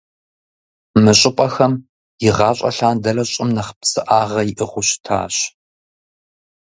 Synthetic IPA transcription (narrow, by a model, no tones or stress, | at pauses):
mɨɕʼɪpʼɐxɐm | jɪʁɑːɕʼɐ̰ɬaːndɐrɐɕʼɪmnɐχə̥psɨʔaːʁɐjɪʔɨχʷʊɕtʰa̰ːɕ